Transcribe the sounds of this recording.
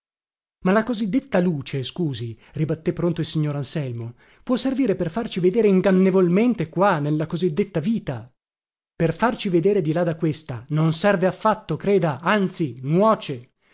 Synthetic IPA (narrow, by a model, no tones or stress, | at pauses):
malakozid̪ːet̪ːaluːt͡ʃeskuːzi | ribat̪ːepːɾont̪oilsiɲːoːɾansɛlmo | pwɔsːerviːɾeperfart͡ʃived̪eːɾeiŋɡanːevolment̪ekwanelːakozid̪ːet̪ːaviːt̪a | perfart͡ʃived̪eːɾed̪ilad̪ːakːwest̪anonsɛrveafːat̪ːokɾeːd̪aant̪sinwɔːt͡ʃe